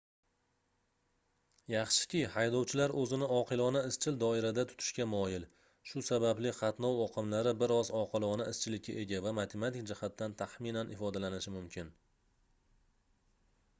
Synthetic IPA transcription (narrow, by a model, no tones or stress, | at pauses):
jɑχʃɪ̥kʲɪhajd̪ɒwt͡ʃʰɪlaɾɵzɪnɪɒqʰɨlˠɒnaɪst͡ʃʰɪld̪ɒɪɾad̪at̪ʰʊ̥t̪ʰɪ̥ʃkʲamɒjɪl | ʃʊsabablɪqɑt̪nɒwɒqʰɨmlaɾɪbɪɾɒzɒqʰɨlˠɒnaɪst͡ʃʰɪlɪkʲʰːaʔe̞ɡʲavamat̪ʰe̞mat̪ɪk̚d͡ʒɪhat̪ːant̪ʰaχmɪnanʔɪfɒd̪alanɪʃɪmʊmkʲɪn